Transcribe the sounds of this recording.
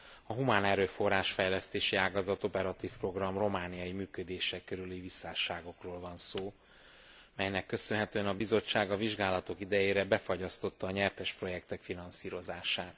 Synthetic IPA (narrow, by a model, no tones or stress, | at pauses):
ɒɦumaːnɛɾøːfo̞raːʃfɛjlɛst̪eːʃiaːɡɒzɒt̪o̞pɛɾɒt̪iːfpro̞ɡrɒmro̞maːnijɒjimyːkød̪eːʃɛkːøɾylivisaːʃaːɡo̞kroːlvɒnsoː | mɛjnɛkːø̞sønɦɛt̪øːɛnɒbizo̞t͡ʃːaːɡɒviʒɡaːlɒt̪o̞kid̪ɛjeːɾɛbɛfɒɟɒst̪o̞t̪ːɒːɲɛrt̪ɛʃpro̞jɛkt̪ɛkfinɒnsiːɾo̞zaːʃaːt̪